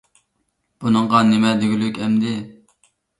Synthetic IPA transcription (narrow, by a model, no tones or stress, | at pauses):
b̥unɨŋʁɑnemɛd̪eɡʲylykʲɛmd̪ɪ